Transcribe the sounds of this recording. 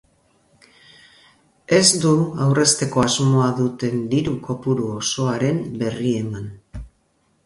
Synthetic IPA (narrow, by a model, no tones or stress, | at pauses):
e̞zd̪uawre̞st̪e̞ko̞azmo̞aðut̪e̞nd̪iɾuko̞puɾuoso̞aɾe̞mbe̞rie̞man